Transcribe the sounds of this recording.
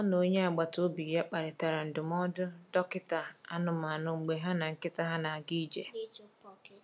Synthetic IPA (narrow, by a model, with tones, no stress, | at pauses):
ɔ˦no˨˦ɲe˦a˨ɡ͡ba˨to˦bi˨ja˦k͡pa˨ɾɪ˨ta˨ɾa˨n̩˨dʊ˨m˦ɔ˦dʊ˦dɔ˦kɪ˦ta˨a˦nʊ˨ma˨nʊ˨ŋ͡m̩˨ɡ͡be˨ɦa˦na˨ŋ̩˨kɪ˦ta˨ɦa˦na˨ɡi˦d͡ʒe˨˦